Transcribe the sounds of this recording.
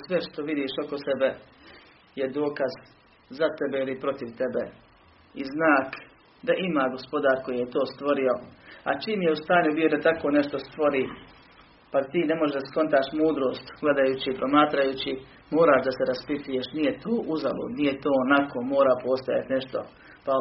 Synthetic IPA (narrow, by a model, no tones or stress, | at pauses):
sʋe̞ʃt̪o̞ʋid̪iːʃokosebe̞ | je̞d̪o̞ːkaz | zat̪e̞beilipɾo̞t̪iʋt̪e̞bḛ | iznaːk | d̪aʔimaːɡo̞spo̞d̪aːɾko̞jijet̪o̞ːst̪ʋo̞ɾio̞a̰t͡ʃiːmje̞ust̪aːɲubijod̪at̪ako̞ːne̞ʃt̪o̞st̪ʋo̞ɾiː | pat̪iːnemoʒd̪asko̞nt̪aːʃmuːd̪ɾo̞ːst̪ɡ̥le̞d̪ajut͡ɕipɾo̞maːt̪ɾajut͡ɕi | mo̞ːɾaːʃd̪aseɾaspit̪ujeʃnije̞t̪oːʔuzalṵːd̪nije̞t̪oːonako̞ːmo̞ːɾaːpo̞st̪aja̰t̪ne̞ʃt̪o̞̰ | pa